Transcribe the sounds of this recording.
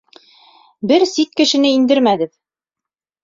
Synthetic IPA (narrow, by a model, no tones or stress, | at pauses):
bɘɾsit̪kɘ̆ʃɘ̆nɘind̪ɘɾmæɡɘð